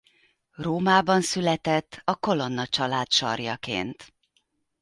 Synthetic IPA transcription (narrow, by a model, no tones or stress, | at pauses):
roːmaːbɒnsylɛt̪ɛt̪ːɒko̞lo̞nːɒt͡ʃɒlaːt̪ʃɒ̰rjɒ̰kḛːnt̪